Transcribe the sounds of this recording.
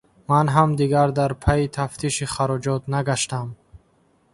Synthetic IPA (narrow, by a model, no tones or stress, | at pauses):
manɦamd̪iɡaɾd̪aɾpʰait̪ʰaft̪ʰiʃiχaɾɔd͡ʒɔt̪naɡaʃt̪am